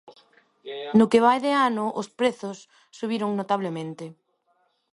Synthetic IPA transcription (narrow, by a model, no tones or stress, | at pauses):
nʊkeβajðeanʊʔospɾeθʊsː | uβiɾʊŋnot̪aβlemẽnt̪e